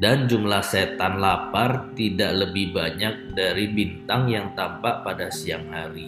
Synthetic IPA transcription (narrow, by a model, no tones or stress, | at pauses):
dand͡ʒumlahset̪anlapart̪idaʔləbɪhbaɲak̚daɾibint̪aŋjaŋt̪ampaʔpadasiaŋhaɾi